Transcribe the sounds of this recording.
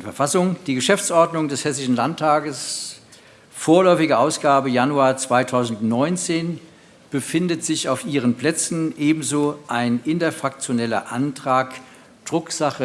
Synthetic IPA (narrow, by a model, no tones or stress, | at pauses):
fɛɐfasʊŋd̥iːɡəʃɛft͡sʔɔɐdnʊŋdɛshɛsɪʃn̩lantʰːaːɡəs | foːɐlɔʏfɪɡəʔaʊsɡ̥aːbəjanuaːɐt͡sv̥aɪtʰaʊzn̩tnɔʏnt͡seːn | b̥əfɪndətz̥ɪçaʊfʔiːʁənplɛt͡sn̩ʔeːbm̩zoːʔaɪnʔɪntɐfʁak̚t͡sjonɛlɐ̰ʔantʁ̥aːk | d̥ʁʊkz̥aχə